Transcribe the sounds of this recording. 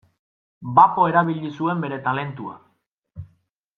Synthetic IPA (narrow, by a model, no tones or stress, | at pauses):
bapo̞e̞ɾaβiʎisue̞mbe̞ɾe̞t̪ale̞nt̪ua̰